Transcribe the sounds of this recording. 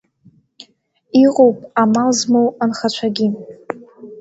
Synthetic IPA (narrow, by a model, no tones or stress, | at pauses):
iqʼowpʼamalzmowanχat͡ʃʷʰaɡʲɪ